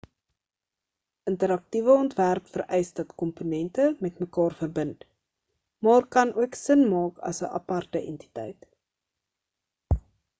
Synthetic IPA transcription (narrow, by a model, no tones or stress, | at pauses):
əntəɾɐk̚tivəɔntværpfərɛjsdɐtkɔmponɛntəmɛtməkɑːrfərbənt | mɑːrkɐnuəksənmɑːkɐ̰səʔɐ̰pɐrtəʔɛnti̥tɛjt